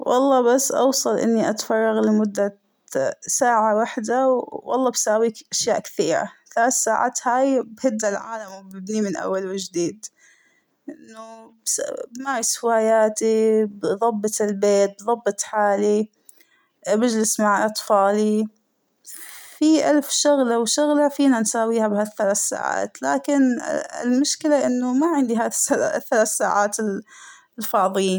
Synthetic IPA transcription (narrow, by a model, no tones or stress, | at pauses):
wʔɑ̰lˤːɑːbasːʔɑ̰wsˤɑlʔɪ̰nːiʔat̪fɑrˤːɑɣlɪmʊd̪ːa | saːʕawaħd̪awwɑ̰lˤːɑːbsaːwiːkʔaʃjaːʔkθiːɾa̰θaːt̪saːʕa̰ːt̪haːjbhɪd̪ːalʕa̰ːlamwbɪbnimɪnʔa̰wːalwɪd͡ʒd̪iːd̪ | ʔɪnːubbmaːɾˤɑshɪwaːjaːt̪ibðˤɑbːɨt̪ɪlbeːt̪̚bðˤɑbːɨt̪ˤħaːli | bɪd͡ʒlɪsmaʕʔɑt̪ˤfɑːli | fiʔalfʃʊɣlawʃʊɣlafiːnansaːwiːhabhaθːalaːθsa̰ːʕa̰ːt̪la̰ːkɪnɪ̰lmʊʃkɪlaʔɪnːʊmaʕɪnd̪iɦaːðɪsaa̰θːalaːθsaːʕaːt̪ɪl | lfɑːðˤɨjiːn